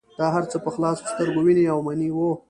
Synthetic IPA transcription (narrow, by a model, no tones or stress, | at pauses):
d̪̥ɑɦaɾt͡səpəxlɑsst̪əɾɡowiniawmaniwo